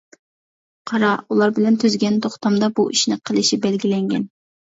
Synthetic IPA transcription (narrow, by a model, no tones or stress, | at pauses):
qʰɑɾɑulˠɑɾbɪlɛnt̪ʰyzɡʲɛnt̪ʰoχt̪ɑmd̪ɑbuʔiʃnɪqʰəlˠɨʃibɛlɡʲilɛŋɡʲɛ̰n